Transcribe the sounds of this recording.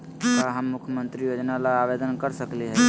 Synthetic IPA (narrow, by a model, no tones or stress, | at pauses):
aɦəmːukʰjəmənt̪ɾijod͡ʒnalaabed̪ənkəɾsəkliɦɛ